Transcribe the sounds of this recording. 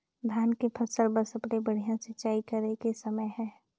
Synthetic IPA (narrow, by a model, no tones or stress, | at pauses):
d̪ʱjaːnkepʰəɾsəlbəsəpɽebəɽ̤ijãsɪt͡ʃaːikəɾekesəməjɦɛ̃ː